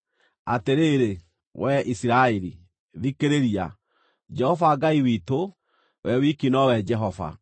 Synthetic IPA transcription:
ateɾeːɾe | wɛʔisiɾaeɾi | ðikeɾeɾia̰ | d͡ʒɛhɔvaɡaiwito | wɛwikinɔwɛd͡ʒɛɦɔva̰

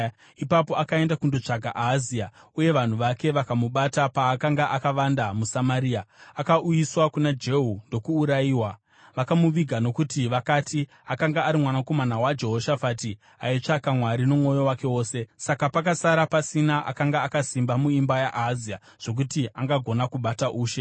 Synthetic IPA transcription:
ipapo̞akae̞ndakundo̞t͡ʂaɡʱa̰ʔaziauje̞ʋan̤uʋake̞ʋakamuɓatapaːkaŋɡaʔakaʋandamusamaɾiːaakaʔujiswakunad͡ʒe̞ɦundo̞kuːɾaiːwa | ʋakamuʋiɡʱano̞kutiʋakati | akaŋɡaːɾimwanako̞manawad͡ʒe̞ɦo̞ʃafati | ait͡ʂakamwaɾino̞muo̞jo̞wake̞wo̞ːse̞sakapak̬asaɾapasinaʔa̰kaŋɡaːkasimbamuimbajaʔazia | ʐ̥o̞k̬utiaŋɡaɡʱo̞nakuɓataʔuːʃe̞

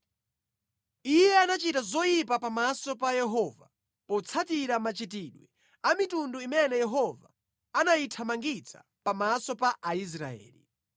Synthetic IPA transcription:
ijɛanat͡ʃitazɔjip̬apamasɔpajɛɦɔːva̰ | pɔt͡sʰatiɾamat͡ʃitiɗwɛ | amitunduimɛnɛjɛɦɔva̰ | anaitʰamaŋɡit͡sʰḁ̰ | pamasɔpaʔais̬ɾa̰ɛ̰ːlḭ

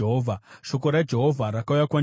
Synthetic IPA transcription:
ɦovʱaʃo̞ko̞ɾad͡ʒe̞ɦovʱaɾakaujakwaɲ

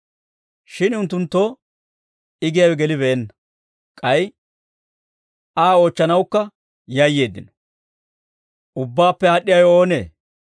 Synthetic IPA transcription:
ʃɪnʊnt̪ːʊnt̪ːoː | ɪɡɪjawɛɡɛlɪβeɛnːɐ | kʼɐj | ʔaːo̞ːt͡ʃːɐnɐwkːɐ | jɐjːe̞ːd̪ːɪ̰nɔ̥ | ʔʊbːaːpːɛaːɗːɪjɐjo̞ːnḛː

